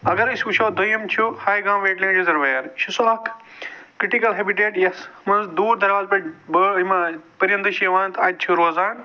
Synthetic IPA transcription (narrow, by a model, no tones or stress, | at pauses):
ɐɡɐɾisʲuʃoːd̪ʱojɐmt͡ʃʰuhaːjɡãːmʋeːʈlĩŋd͡ʒizɐɾʋɐjɐɾʃʰusoɐkʰ | kɾiʈikɐlɦebiʈeːɖjɐsmɐnzd̪uːɾd̪ɐɾʋaːzpɐʈbɐimapɐɾjɐnd̪ɨʃiʋaːnt̪ɐːd̪̚t͡ʃʰuɾoːzaːn